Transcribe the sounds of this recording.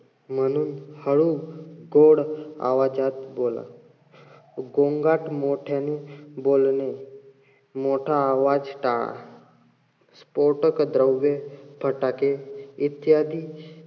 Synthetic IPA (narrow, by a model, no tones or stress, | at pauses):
mənunhəɽuɡoːɽa̰ʋad͡ʒaːt̪boːla̰ | ɡõŋɡaːʈmoʈʰanĩboːlne | moːʈʰaːʋaːd͡ʒʈaɭa̰ | spoɾʈəkd̪ɾəwʋebʱəʈakeɪt̪jaːd̪iː